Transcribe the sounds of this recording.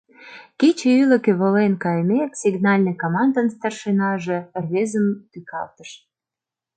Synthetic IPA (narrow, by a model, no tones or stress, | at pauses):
kit͡ɕeylə̆kĕβəlenkɑjmeksiɡnɑlʲnəkomɑnd̪ənst̪ɑrʃenɑʒe̽rβezəmt̪ykɑ̰lt̪ə̥ʃ